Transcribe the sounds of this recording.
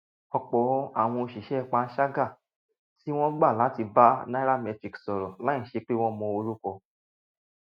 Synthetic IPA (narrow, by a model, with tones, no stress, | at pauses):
ɔ˧k͡pɔ˨˦a̰˦˨w̃ɔ̃˧o˧ʃi˨ʃɛ˨˦˧k͡pa˨˧˦ʃa˦ɡa˦˨ | ti˦w̃ɔ̃˦ɡ͡ba˦˨la˨˦ti˧ba˦nã˦ɾa˦mɛ˧tɾi˨ksɔ˨ɾɔ˨lã˨˦˨ʃe˧˦k͡pe˦w̃ɔ̃˦mɔ̃˧o˧ɾu˦kɔ˧